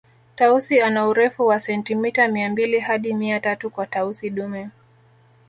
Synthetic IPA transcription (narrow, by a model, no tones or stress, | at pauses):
tausianauɾɛfuwasɛntimitamiambilihaɗimiatatukwatausiɗumɛ